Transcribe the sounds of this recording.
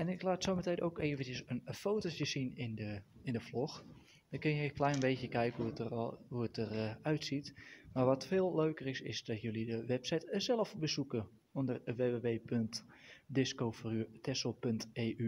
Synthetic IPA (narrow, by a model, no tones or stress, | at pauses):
ɛnɪklaːtsoːmətedəowkeːəvən̩əsənfoːtosjəsinɪnə | ɪndəflox | dɔkɪnəjəklɛjnbeːtjəkɛjkəuəhuətərœɥtsitmarʋɔtfeːlˠløːkərɪsɪsdɔtjølidəʋɛpsɛjtsɛlˠəfbəsukə | ondərʋeːʋeːʋeːpʰøntdɪskoːfrytʰɛsəl̩ˠpønteːʔy